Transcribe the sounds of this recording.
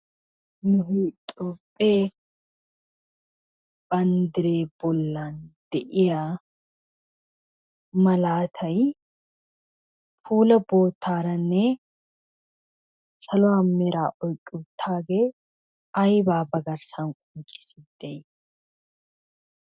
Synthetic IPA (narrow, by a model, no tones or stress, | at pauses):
nʊɦiːt̪ʼːoːpʼːeː | b̥ɐnd̪ɪɾeːbɔlːaːnd̪̥ɛʔɪjaː | mɐlaːt̪ʰɐj | fuːlɐbo̞ːt̪ʰːaːɾɐnːeː | sɐlʊwaːmːɪɾaːʔɔjkʼːʊbt̪ʰaːɡeː | ɐjbaːbɐɡɐɾsaŋkʼʊnt͡ʃʼːɪ̥sɪd̪̥ɛj